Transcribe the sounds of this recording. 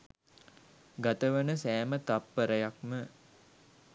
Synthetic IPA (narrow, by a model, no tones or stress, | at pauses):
ɡat̪əʋənəsæːmət̪apːəɾəjak̚mə